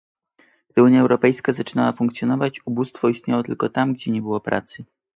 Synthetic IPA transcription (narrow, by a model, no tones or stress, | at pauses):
ɡ̥d̪ɘuɲjaɛwɾɔpɛjskazat͡ʂɘnawafuŋkt̪sʲjɔnɔvat͡ɕubust̪fɔist̪ɲawɔt̪ɘlkɔt̪amɡd͡ʑɛɲɛbɘwɔpɾʔa̰t̪sɘ